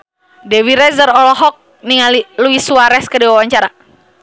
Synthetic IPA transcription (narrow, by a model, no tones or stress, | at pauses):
dɛwiɾɛzəɾɔlɔɦɔk̚ | niŋaliluisuaɾɛskədiwawaɲt͡ʃaɾa